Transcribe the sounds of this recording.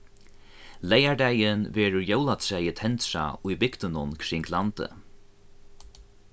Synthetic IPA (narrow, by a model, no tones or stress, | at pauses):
lejaɹd̪æjɪnvɛːɾʊɾjowlat̪sɛjət̪ʰɛnt̪ʂa̰ʊjbɪkt̪ɪnʊnkʰɾɪŋklant̪ə̰